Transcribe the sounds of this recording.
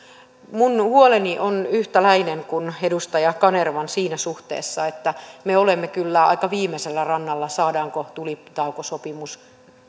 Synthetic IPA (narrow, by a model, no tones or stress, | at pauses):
munhuoleniʔonyht̪ælæineŋkunedust̪ɑjɑkɑnerʋɑnsiːnæsuht̪ḛːsːɑet̪ːæmeolemːekylːæɑ̰ikɑʋiːmːˑeselːærɑnːɑlːɑsɑːdɑːŋkot̪ulit̪ɑukosopimus